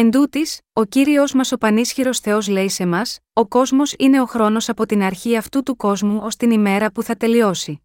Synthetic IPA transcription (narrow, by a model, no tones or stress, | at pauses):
e̞nd̪ut̪iso̞ciɾio̞zmɐso̞pɐnisçiɾo̞sθe̞o̞zle̞ise̞mɐso̞ko̞zmo̞sine̞o̞xɾo̞no̞sɐpo̞t̪inɐɾçiɐft̪ut̪uko̞zmuo̞st̪inime̞ɾɐpuθɐt̪e̞lio̞si